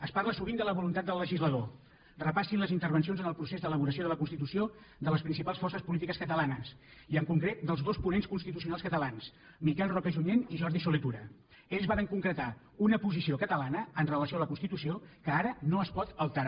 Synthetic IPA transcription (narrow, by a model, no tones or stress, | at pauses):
əsparləsuβind̪ələβulunt̪at̪̚d̪əlːəʒizləðo | rəpasinləzint̪əɾβənsionzənəlˠpɾusezd̪ələβuɾəsioðələkunst̪it̪usio | d̪ələspɾinsipalˠsfɔrsəspulit̪ikəskət̪əlanəsiəŋkuŋkɾet̪̚d̪əlˠzðospunenskunst̪it̪us̬iunalskət̪əlans | mikɛlˠrɔkəʒuɲeniʒɔɾðisulit̪uɾə | eʎzβaɾəŋkuŋkɾət̪a | unəpuzisiokət̪əlanəːnrələsioaləkunst̪it̪usiokəaɾənoəspɔt̪əlˠt̪əɾ